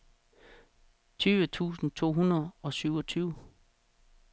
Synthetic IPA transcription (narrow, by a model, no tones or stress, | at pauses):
t͡sʰyːʋət͡sʰṵːsn̩t͡sʰo̝̰ːɦunɐð̩ˠɒ̽syʊɒ̽t͡sʰyːʊ